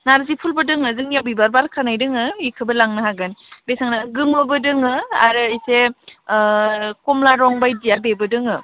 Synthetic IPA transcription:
naɾzipʰulbɯdɯŋɯzɯŋjawbibaɾbaɾkʰanajdɯŋɯikʰɯbɯlaŋnɯɦaɡɯnbesaŋnaɡɯmbɯbɯdɯŋɯa̰ɾɯijse | kɔmlaɾɔŋbajdijabebɯdɯŋɯ

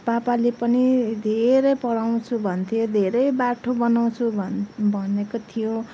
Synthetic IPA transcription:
bapalepʌnid̪ʱeɾʌjpʌɽaw̃t͡sʰubʱʌnt̪ʰijod̪ʱeɾʌjbaʈʰobʌnaw̃t͡sʰubʱʌnekot̪ʰijõ

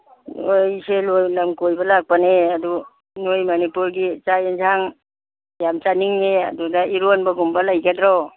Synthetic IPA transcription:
nojselojlamkojbɐlak̚paneɐdu | nojmɐnipuɾɡit͡ʃajind͡ʒʰaŋ | jamt͡ʃaniŋneɐ̰dudaiɾonbaɡumbalajɡadɾɔ

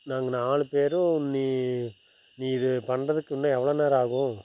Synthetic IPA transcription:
naːŋɡɐnaːɭɯpeːɾɯ̃nːiː | niːɾɯpɐɳrɐðɯkːɯnːaɛʋːɐɭoːnaːɾaːɣʊ̃

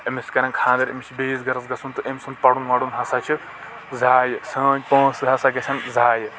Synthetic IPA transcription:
ɐmiskɐɾʲɐnkʰãːnd̪ɐɾɐmit͡ʃʰibeːzɡɐɾɐzɡɐsʰunt̪ɨʔemʲsɨnpɐɽunʋɐːɽunɦɐsat͡ʃʰi | zaːjɨsɐ̃ːpɐ̃ːsɨɦɐsaɡɐsʰɐnzaːj

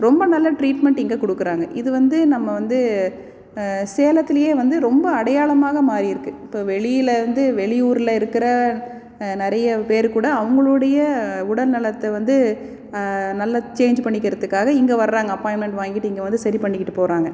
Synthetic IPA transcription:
ɾɔmbɐnɐlːɐʈɾiːʈmɛɳʈɪŋɡekɔɽɯkːɯɾaːŋɡɐʔɪðɯʋɐnd̪ɯnɐmːɐʋɐnd̪ɯ | seːlɐt̪ːɪlɐjeːʋɐnd̪ɯɾɔmbɐɐɽɐjaːɭɐmaːɣɐmaːɾiɪɾɯkːɯɪpːoːʋɛɭɪjɪlɐʋɐnd̪ɯʋɛɭɪjuːɾɪlɐɪɾɯkːɪɾɐ | nɪɾɐjɐpeːɾkuːɽɐːʋɐŋɡɐɭɯɽɐjɐʊɽɐlnɐlɐt̪ːɛʋɐnd̪ɯ | nɐlːɐt͡ʃeːɲd͡ʒpɐɳːɪkːɪɾɐðɯkːaːɣɐɪŋɡeʋɐɾɾaːŋɡɐɐpːaɪmɛɳʈʋaːŋɡɪʈːɯɪŋɡeʋɐnd̪ɯsɐɾipɐɳːɪkːɪʈːɯpoːɾaːŋɡɐ

